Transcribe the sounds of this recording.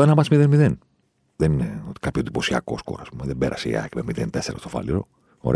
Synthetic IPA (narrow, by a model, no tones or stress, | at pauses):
enɐmɐsmiðenmiðen | ðenineot̪i̥kapçod̪ipo̞siɐ̰ko̞̰sko̞̰ɾɐ̰ːspumeðebe̞ɾʔɐsḛḭɐ̰cmemiðent̪eseɾɐst̪ofɐ̰liɾo̰ | o̰ɾe